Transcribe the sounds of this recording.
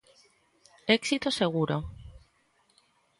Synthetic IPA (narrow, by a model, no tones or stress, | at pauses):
eksit̪oseɣ̞uɾo